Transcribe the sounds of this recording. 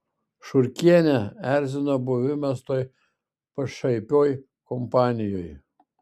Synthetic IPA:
ʃʊɾʲkʲiɛnʲɛæɾʲzʲɪnobʊʋʲɪmʲɛst̪oːj | pɐʃɐɪpʲoːj | kɔmpɑːnʲɪjoj

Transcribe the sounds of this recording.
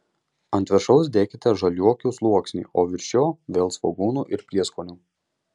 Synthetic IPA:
ɐnʲt̪ʲʋʲɛʃɐʊs̬d̪ʲeːkʲɪt̪ʲɛʒɐlʲuɔkʲuːslˠuɔksʲnʲḭːʔoːʋʲɪɾʲʃʲoːʋʲeːlˠsʋɐɡuːnuːʔɪɾpʲɾʲiɛskoːnʲuː

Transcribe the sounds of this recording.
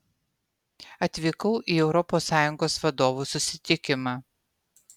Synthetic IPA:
ɐt̪ʲʋʲiːkɐʊʔiːɛʊɾɔpoːsːɑːjʊŋɡoːsʋɐd̪oːʋuːsʊsʲɪt̪ʲɪkʲɪmɑ

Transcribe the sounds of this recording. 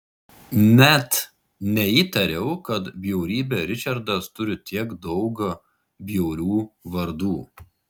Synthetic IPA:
nʲɛt̪ | nʲɛiːt̪ɐɾʲɛʊkɐt̪bʲjɛʊɾʲiːbʲɛɾʲɪt͡ʃʲɐɾd̪ɐst̪ʊɾʲɪt̪ʲiɛɡd̪ɒʊɡɐ | bʲjɛʊɾʲuːʋɐɾd̪uː

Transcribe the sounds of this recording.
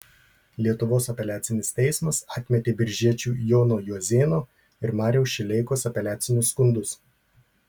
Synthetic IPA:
lʲiɛt̪ʊʋoːsɐpʲɛlʲæːt̪sʲɪnʲɪst̪ʲɛɪsmɐsɐːt̪ʲmʲɛt̪ʲeːbʲɪɾʲʒʲiɛt͡ʃʲuːjoːnoːjuɔzʲeːnoː | ɪɾmɑːɾʲɛʊʃʲɪlʲɛɪkoːsɐpʲɛlʲæːt̪sʲɪnʲʊsːkʊnd̪ʊs

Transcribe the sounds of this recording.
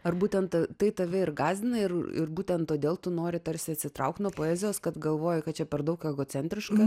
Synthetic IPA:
ɐrbuːt̪ʲɛnt̪tɐt̪ɐɪt̪ɐʋʲɛɪrɡɑːzʲd̪ʲɪnɐɪrɪ̰rbuːt̪ʲɛnt̪t̪ːoːd̪ʲeːlˠt̪ʊnoːɾʲɪt̪ɐɾʲsʲɪɐt̪ʲsʲɪt̪ɾɐʊk̚t̪nuɔpoːɛːzʲɪjoːskɐt̪ɡɐlˠʋoːjɪkɐt̪t͡ʃʲɛpʲɛrd̪ɐʊkɛɡoːt͡s̪ʲɛnʲt̪ʲɾʲɪʃkɐ

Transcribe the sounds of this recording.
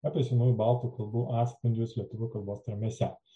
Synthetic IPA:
aːpʲɛsʲɛnuːjubɑˑlˠt̪uːkɐlˠbuːʔɑːspʲɐnʲd͡ʒʲʊslʲiɛt̪ʊʋʲʊkɐlˠboːst̪ɾɐmʲɛsʲɛ

